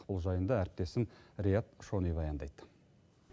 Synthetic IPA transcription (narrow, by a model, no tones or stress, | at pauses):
qpəlˠʒɑjənd̪ɑæɾɪp̚t̪e̞sɪnɾʲejat̪ʃo̞nijbɑjɑnd̪ɑjd̪ə